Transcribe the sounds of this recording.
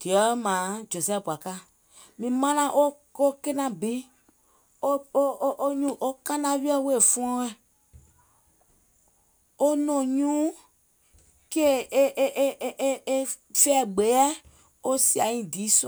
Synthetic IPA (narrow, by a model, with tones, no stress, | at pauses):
d̥i˨ɔ˨˦mãː˨˦d͡ʒo˨sɛ˦˨pu˨a˨ka˦ | mĩ˨mã˦nã˧˦ʔo˦ | o˦ke˦nã˧bi˨˦ | o˦ʔo˦ɲũ˦ʔo˦kã˦nã˧˦wi˦ɔ˦˨˦we˦˨fɔ̃˦ɔ̃˦ɛ˨ | o˦nɔ̃˨ɲũː˦ | ke˦˨ʔʔʔe˦e˦fɛ˦˨ɡ͡be˨˦ɛ˦ | o˦si˦a˨ĩ˨diː˨˦s